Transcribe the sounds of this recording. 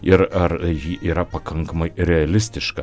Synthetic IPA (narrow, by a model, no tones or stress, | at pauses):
ɪɾɐɾjiʔiːɾɐpɐkʰɐŋkɐmɐjɾʲɛɐlʲɪsʲt̪ʲɪʃkɐ